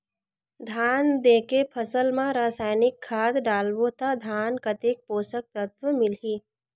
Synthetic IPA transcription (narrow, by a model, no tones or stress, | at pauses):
d̪ʱaːnd̪eːkepʰəsəlmãɾaːsaːɪnɪkʰːaːd̪ɖaːlbot̪ad̪ʱaːnkət̪eːk̚poːsək̚t̪ət̪wəmɪlɦiː